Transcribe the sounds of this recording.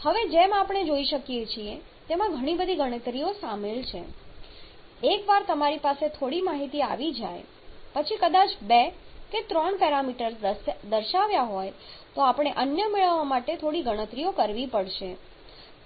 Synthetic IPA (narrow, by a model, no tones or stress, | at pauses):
həʋed͡ʒemapɳed͡ʒoiʃəkijet͡ʃʰie | t̪emãɡʱəɽ̃ibəd̪ʱiɡəɽ̃ət̪ɾijosamelt͡ʃʰe | ekʋaɾt̪əmaɾipaset̪ʰoɽimaɦit̪ia̰ʋid͡ʒa̰j | pət͡ʃʰikəd̪at͡ʃbeket̪ɾɔɳpɛɾamiʈəɾsd̪əɾʃaʋjaɦɔjt̪oapɳ̃eʔənjəmeɭəʋamaʈet̪ʰoɽiɡəɽ̃ət̪ɾijokəɾʋipəɽʃe